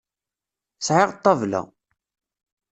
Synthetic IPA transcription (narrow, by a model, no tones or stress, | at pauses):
sʕɪʁt̪ˤːɑvlæ̰